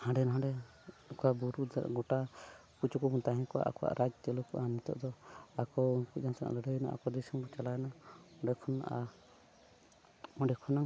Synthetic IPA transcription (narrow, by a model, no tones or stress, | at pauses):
hãɖɛnaɦãɖɛ | kɔabuɾudaɾɡɔʈakut͡ʃɔkɔbunt̪aɦɛnkɔwa̰ʔakɔwa̰ʔɾʔad͡ʒt͡ʃɛlukɔʔanɛt̪ɔ̰ʔd̪ɔakɔuŋkud͡ʒansanʔa̰ʔləɖəjna̰ʔa̰kɔd̪isɔmkɔt͡ʃalajnaɔ̃ɖɛkʰɔna̰ʔa | ɔɖɛkʰɔnaŋ